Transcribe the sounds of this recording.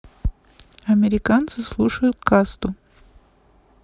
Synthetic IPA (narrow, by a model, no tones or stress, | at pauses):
ɐmʲɪɾʲɪkant̪sɨslˠuʂəjʊt̪kast̪ʊ